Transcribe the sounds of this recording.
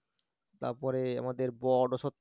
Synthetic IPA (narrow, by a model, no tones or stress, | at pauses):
t̪a̰ɾpɔɾea̰mad̪eɾbɔɖoʃot̪ː